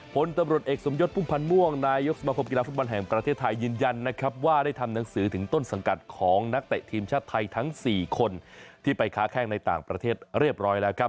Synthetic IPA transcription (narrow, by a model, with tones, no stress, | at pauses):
pʰo˩˨˦nt̪a˧mɾu˨˩ət̪̚ʔeː˨˩k̚so˩˦mjo˦˥t̪̚pʰuː˥˩mpʰa˧nmu˥˩əŋnaː˧jo˦˥k̚sa˧maː˧kʰo˧mki˧laː˧fu˦˥bɔ˧nɦɛ˨˩ŋpɾa˧t̪ʰeː˥˩t̪ʰːa˧jːɯː˧nja˧nːa˦˥kʰɾa˦˥p̚waː˥˩daː˥˩jt̪ʰa˧mna˩˦ŋsɯː˩˦t̪ʰɯ˩˦ŋt̪o˥˩nsa˩˦ŋka˨˩t̪̚kʰɔː˩˦ŋna˦˥k̚t̪ɛ˨ʔt̪ʰiː˧mt͡ɕʰaː˥˩t̪ʰːa˧jt̪ʰa˦˥ŋsiː˨˩kʰo˧nt̪ʰiː˥˩pa˧jkʰaː˦˥kʰɛː˥˩ŋna˧jt̪a̰ː˨˩ŋpɾa˧t̪ʰeː˥˩t̪̚ɾi˥˩əp̚ɾɔː˦˥jlɛː˦˥wkɾa˦˥p̚